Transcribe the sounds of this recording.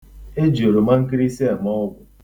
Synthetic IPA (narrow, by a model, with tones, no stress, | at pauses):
e˦d͡ʒi˨o˨ɾo˨ma˦ŋ̩˦ki˦ɾi˦si˦a˨mɔ˦ɔ˦ɡʊ˨